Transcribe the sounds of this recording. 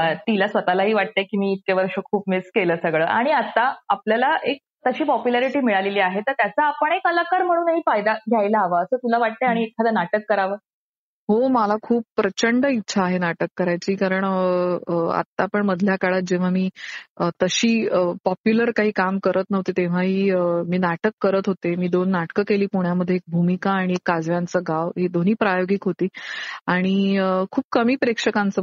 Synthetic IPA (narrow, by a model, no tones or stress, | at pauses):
t̪ilasʋət̪alaɦiːʋaʈ̚t̪ekimiːt̪̚keʋəɾɕəkʰuːpmiskeləːsəɡɭəːʔaɽ̃iat̪aapljalaʔek̚t̪əɕiːpɔpjulaɾiʈiːmiɭaleliːaɦet̪əɾt̪jat͡saːpəɳekələkaɾm̤əɽ̃ũːnaɦiːfajd̪aɡʱjajlaːʋaəsəːt̪ulaʋaʈ̚t̪eaɽ̃iet̪kʰad̪anaʈəkːəɾaʋəː | ɦoməlakʰuːp̚pːɾət͡ɕəɳɖəitːɕʰaːɦenaʈəkːəɾajt͡ɕiːkaɾəɳ | a̰t̪ːaːpəɳməd̪ʱljakaɭat̪̚d͡ʑeʋ̤amiːət̪əɕiːəpɔpjuləɾkaɦiːkamkəɾət̪nəʋt̪et̪eʋ̤aɦiːəmiːnaʈəkːəɾət̪ɦot̪emiːd̪onːaʈkəkeliːpuɳjaməd̪ʱːjeek̚bʱumikaːɽ̃iekːad͡zʋjant͡səɡaʋɦiːd̪on̤iːpɾajoɡikɦot̪iːaɽ̃iəkʰuːp̚kəmiːpɾekʂəkãnt͡sə